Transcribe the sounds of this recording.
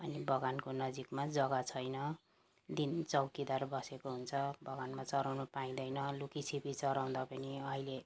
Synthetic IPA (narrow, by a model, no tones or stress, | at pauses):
ʌnibʌɡankonʌd͡zikmad͡zʌɡat͡sʰʌjnʌ | d̪int͡sʌwkid̪arbʌsekoɦunt͡sʰʌbʱʌɡanmat͡sʌɾawnʌpaĩd̪ʌjnʌlukisʰipit͡sʌɾaw̃d̪apʌniʌɦile